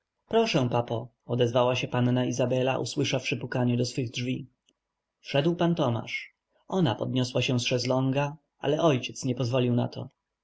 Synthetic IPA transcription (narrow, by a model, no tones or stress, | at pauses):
pɾɔʂɛ̃papɔ | ɔd̪ɛzvawaɕɛpannaizabɛla̰ʔṵswɘʂafʂɘpukaɲɛd̪ɔsfɘɣdʐvʲi | fʂɛd̪wpant̪ɔma̰ʂ | ɔna̰pɔd̪̚ɲɔswaɕɛ̃sʂɛzlɔŋɡa | ʔa̰lɛʔɔjt͡ɕɛt̪sɲɛpɔzvɔlʲiwna̰t̪ʰɔ̰